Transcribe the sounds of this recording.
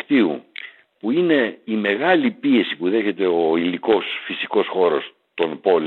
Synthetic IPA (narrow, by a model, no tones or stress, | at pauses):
kt̪iṵ | puine̞ime̞ɣɐlipie̞sipuðe̞çe̞t̪e̞oiliko̞sfisiko̞sxo̞ɾo̞s | t̪o̞npo̞l